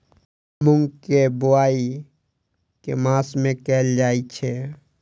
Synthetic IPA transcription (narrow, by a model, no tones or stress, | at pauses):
mʊ̃ŋɡkebʊaːi | kḛmãːsmẽkɛːld͡ʒaːit͡ʃʰe